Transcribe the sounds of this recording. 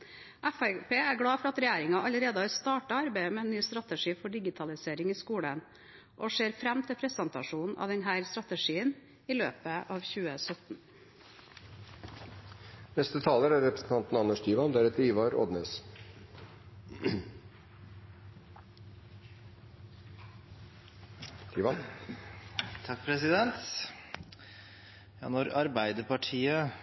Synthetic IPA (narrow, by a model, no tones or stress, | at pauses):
ʔæfæpʰeːæɾɡɽɑːfɔɾɑt̪ɾɛjeːɾɪŋɑʔɑləɾeːd̪əhɑːɾst̪ɑːʈɑɑɾbæɪmɛɛnːyːst̪ɾɑt̪əʂiːfɔɖɪɡɪt̪ʰɑlɪseːɾɪŋiːskuːɽən | ʔɔʂeːɾfɾæmt̪ʰɪlpʰɾɛsənt̪ɑʂuːnn̩ʔɑ̰ːd̪ɛnɦæːɾst̪ɾɑt̪əʂiːən | iːlø̰ːpəʔɑːʋçʉːəsœt̪n̩ | nɛst̪ət̪ʰɑːləɾæɾɾɛpɾə̥sn̩t̪ʰɑnt̪n̩ɑnːəʂt̪ʰiːʋɑnd̪æɾɛt̪əɾiːʋɑɾɔ̰d̪neːs | t̪ʰiːʋɑn | t̪ʰɑk̚pʰɾɛsɪd̪ɛnt̪ | jɑ̰ːnɔɾɑɾbæɪd̪əpɑʈʰiːə